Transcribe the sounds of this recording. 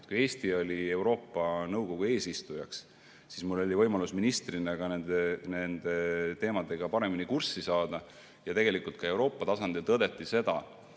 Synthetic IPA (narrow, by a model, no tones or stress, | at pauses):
t̪kuje̞ːst̪io̞lʲie̞wɾo̞ːpːˑɑnɤwɡ̥o̞ɡ̥ue̞ːsist̪ujɑks | sismulːo̞lʲivɤ̞jmɑlusminist̪rineɡ̥ɑnend̪ene̞nd̪̥e̞t̪e̞ːmɑd̪̥e̞ɡ̥ɑpɑɾe̞minikursːisɑːd̪̥ɑ | jɑt̪eɡ̥e̞likˑult̪kɑe̞wɾo̞ːpːˑɑt̪ɑsɑnd̪̥ilt̪ɤd̪̥e̞t̪ːˑise̞d̪̥ɑ̰